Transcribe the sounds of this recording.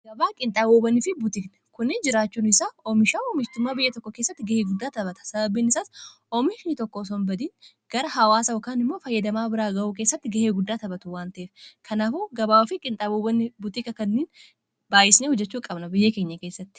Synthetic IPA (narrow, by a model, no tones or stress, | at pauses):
ɡ̥ɐbaːkʼɪnt̪ʼaːboːbɐnɪfɪbʊt̪ɪknɐ̥kʊnːɪd͡ʒɪɾaːt͡ʃːuːnɪsaːɔmɪʃaːɔmɪʃt̪ʊmːaːbɪjːɐt̪ɔkːɔkeːsːɐt̪ːɪɡɐheːɡʊd̪ːaːt̪ɐbɐt̪ɐ̥sɐbɐbːiːnɪsaːs | ɔmɪʃnɪt̪ɔkːos̬ɔnbɐd̪iːn | ɡ̥ɐɾɐɦɐwaːsɐɔkaːnɪmːo̞ːfɐjːɐd̪ɐmaːbɪɾaːɡɐʔuːk̬eːsːɐt̪ːɪɡɐheːɡʊd̪ːaːt̪ɐbɐt̪ʊwaːnt̪ɐʔeːfkʰɐnaːfuːɡɐbaːwɐfɪkʼɪnt̪ʼaːboːbɐnːɪbʊt̪ɪkɐkɐnːiːn | baːjɪsneːhʊd͡ʒːɛt͡ʃːuːkʼɐbnɐbɪjːɐkeːɲːɐke̞ːsːɐt̪ːɪ̥